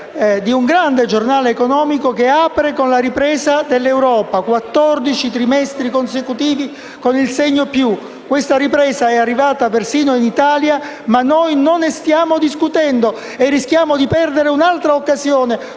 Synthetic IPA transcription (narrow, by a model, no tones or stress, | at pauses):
ɛd̪iuŋɡɾand̪ed͡ʒornaːleːkonɔːmikokeaːpɾekonlaɾipɾɛːzad̪elːewɾɔːpakwat̪ːɔrd̪it͡ʃit̪ɾimɛst̪ɾikonsekut̪iːvi | konilsɛɲːopju | kːwest̪aripɾɛːzaɛarːivaːt̪apersiːnoinit̪aːlja | manːojnonːest̪jaːmod̪iskut̪ɛnd̪o | erːisk̟jaːmod̪ipɛrd̪eɾeunalt̪ɾaokːazjoːne